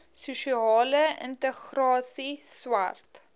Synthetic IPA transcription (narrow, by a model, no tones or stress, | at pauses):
suʃiɑːləɪ̰nt̪əxrɑːsiswa̰rt̪